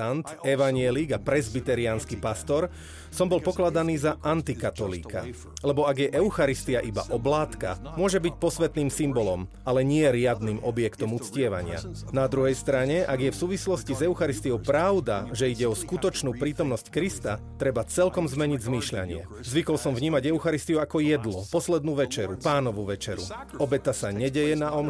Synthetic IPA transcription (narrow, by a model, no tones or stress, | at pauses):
ant̪ɛʋaɲɪɛliɡapɾɛzbit̪ɛɾiaːnskipast̪ɔɾ | sɔmbɔlpɔklad̪aniːzaʔant̪ikat̪ɔlḭːka̰ | lɛbɔaɡjɛʔɛʊxaɾist̪iaʔiba̰ʔɔblaːt̪ka̰mʊɔʒɛbicpɔsʋɛt̪niːmsimbɔlɔmalɛɲɪɛɾɪad̪niːmɔbjɛkt̪ɔmut͡scɪɛʋa̰ɲɪa̰ | nad̪ɾuɦɛjst̪ɾaɲɛʔaɡjɛfsuːʋislɔscizɛʊxaɾist̪iɔʊpɾaʊd̪aʒɛiɟɛɔskut̪ɔt͡ʃnuːpɾiːt̪ɔmnɔsckɾist̪at̪ɾɛbat͡sɛlkɔmzmɛɲiɟzmiːʃʎa̰ɲɪɛ̰ | zʋikɔlsɔmvɲiːmaɟɛʊxaɾist̪iuakɔjɛd̪lɔpɔslɛd̪nuːʋɛt͡ʃɛɾupaːnɔʋuʋɛt͡ʃɛɾṵɔbɛt̪asaɲɛɟɛjɛnaɔm